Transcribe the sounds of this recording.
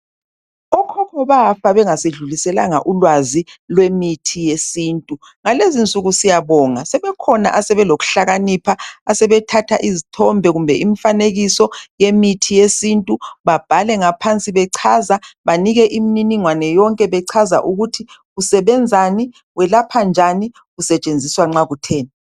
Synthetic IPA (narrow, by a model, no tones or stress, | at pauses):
ɔkʰɔkʰɔβafaβɛŋaseɮulisɛlaŋa̰ʔulwazilwemitʰijesiːntʼu | ŋalezint͡sʼuɣusijaβɔːŋasɛβɛkʰɔna̰ʔasɛβɛloɣu̥ɬaɣanipʰaːsɛβɛtʰatʰaʔizitʰɔmbʱɛɣumbʱɛʔim̩faneɣisɔjemitʰijesintʼuβab̥ʱalɛŋapʰant͡sʼiβɛǀʰazaβaniɣɛʔimininiŋwanɛjɔŋkʼɛβɛǀʰaza̰ʔuɣutʰiɣusɛβɛnd͡zʱani | wɛlapʰand͡ʒʱani | ɣusɛt͡ʃʼend͡zʱiswaŋ͡ǁaɣutʰɛːnɛ